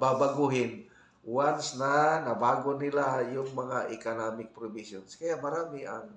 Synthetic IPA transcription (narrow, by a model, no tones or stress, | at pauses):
babaɡuɦɪn | wansnanɐbaːɡonɪlajʊŋmɐŋaʔɪkonaːmɪk̚pɾʊbisjonskɐjaʔmɐɾaːmɪʔa̰ŋ